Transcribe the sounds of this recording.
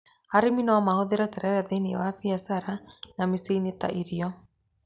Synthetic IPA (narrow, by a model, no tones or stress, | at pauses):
haɾeminaːmahoðeɾatɛɾɛɾaðeniɛ̰wafiasaɾanameseineta̰ʔiɾiɔ